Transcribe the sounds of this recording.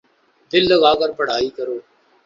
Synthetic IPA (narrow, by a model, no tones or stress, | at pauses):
d̪ɪlːəɡaːkəɾpəɽ̤aːiːkəɾoː